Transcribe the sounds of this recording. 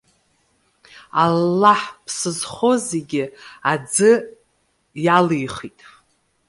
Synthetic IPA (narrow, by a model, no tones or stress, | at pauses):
alːaħpʰsɨzχoze̞ɡʲɪad͡zɨ | jalijχitʼ